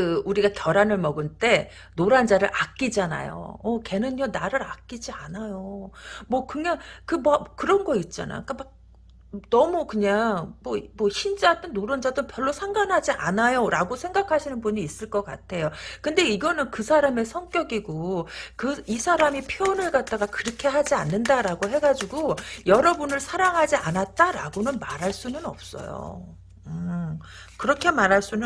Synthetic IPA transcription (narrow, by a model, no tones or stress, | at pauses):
ɯuɾiɡatjʌɾanɯɭmʌɡɯɭt͈e̞ | noɾand͡ʑaɾɯɾʔak͈̚id͡ʑana̰jo̰ʌke̞nɯɲʌnaɾɯɾak͈id͡ʑianajomwʌkɯɲaŋkɯmʌkɯɾʌnɡʌit̚t͡ɕ͈a̰na̰k͈amak̚ | nʌmukɯɲaŋmwʌmʌçind͡ʑat͈ɯnːoɾand͡ʑadɯpjʌɭːosʰaŋɡanɦad͡ʑiʔa̰najoɾaɡosʰe̞ŋɡakʰaɕʰinɯnbuɲiːs͈ɯɭk͈ʌk͈a̰tʰe̞jokɯnde̞iɡʌnɯnkɯsʰaɾame̞sʰʌŋk͈jʌɡiɡokɯisʰaɾamipʰjoonɯɭɡat̚t͈aɡakɯɾʌkʰe̞ɦad͡ʑianːɯndaɾaɡoɦe̞ɡad͡ʑiɡojʌɾʌbunɯɭsʰaɾaŋɦad͡ʑia̰nat̚t͈aɾa̰ɡonɯnmaɾɦaɭs͈unɯnʌ̰p̚s͈ʌ̰jo̰ | ɯ | kɯɾʌkʰe̞maɾɦaɭs͈unɯ